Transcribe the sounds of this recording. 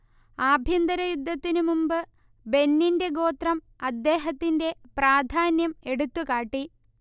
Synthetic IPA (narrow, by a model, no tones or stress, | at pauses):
aːbʱjind̪ɐɾɐjud̪ʱːɐt̪ːinumumbɨ | be̞nːinde̞ɡo̞ːt̪rɐm | ɐd̪ːe̞ːɦɐt̪ːinde̞praːd̪ʱaːnjɐme̞ɽut̪ːukaːʈːi